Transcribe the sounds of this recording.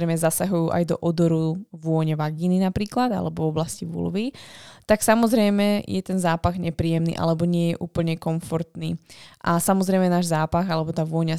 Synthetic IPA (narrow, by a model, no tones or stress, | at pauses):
ɾɛjmɛzasaɦujuːʔa̰jd̪ɔ̰ʔɔd̪ɔɾuʋʊɔɲɛʋaɡiːninapɾiːklad̪a̰lɛbɔvɔblasciʋṵlʋit̪aksamɔzɾɛjmɛjɛt̪ɛnzaːpaɣɲɛpɾiːjɛmnḭːʔa̰lɛbɔɲɪɛjɛʔuːpl̩ɲɛkɔɱfɔɾt̪niːʔasamɔzɾɛjmɛnaːʒzaːpaɣalɛbɔt̪aːʋʊɔɲa